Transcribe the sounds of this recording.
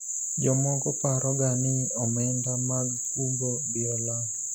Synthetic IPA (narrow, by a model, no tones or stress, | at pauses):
d͡ʒɔmɔɡɔpaɾɔɡanɪɔmɛndamaɡ̚kunɡodɪɔla